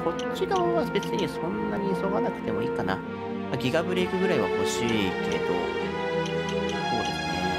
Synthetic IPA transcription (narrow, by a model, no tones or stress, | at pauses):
ko̞ | t͡ɕid̪oβabe̞t͡sɨɲ̟isõ̞nːaɲ̟iso̞ɡanakɯ̟̥t̪e̞mo̞iːkana̰ | aɡʲiɡabɯ̟ɾeikɯ̟ɡɯ̟ɾaiβa̰ho̞ɕiːt̪ːeɯ̟̰t̪o̞̰ | so̞ːd̪e̞sɨne̞̰